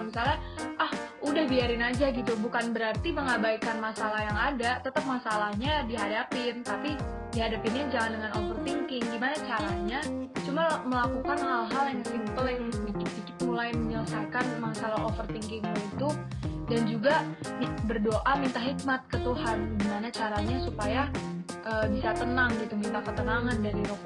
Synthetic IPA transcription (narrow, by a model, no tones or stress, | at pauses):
misalɲaʔahʔudahbiaɾɪnad͡ʒaɡit̪ubukanbəɾart̪iməŋabaikanmasalahjaŋadat̪ət̪əp̚masalahɲadiɦadapɪnt̪api | diɦadapɪnjad͡ʒaŋandəŋanofərt̪iŋkɪŋɡimanat͡ʃaɾahɲat͡ʃumaməlakukanhalɦaljaŋsimpəlabikibikipulajməɲələsakanmasalaɦofərt̪iŋkɪŋɲait̪udand͡ʒuɡabərdoʔamint̪aɦik̚mat̪̚kət̪uɦanɡimanat͡ʃaɾaɲasupajaʔəːbisat̪ənaŋɡit̪umint̪ahkət̪ənaŋandaɾiɾɔk̚